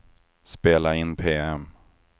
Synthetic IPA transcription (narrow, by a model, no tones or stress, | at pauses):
speːlaɪnːpʰeːɛm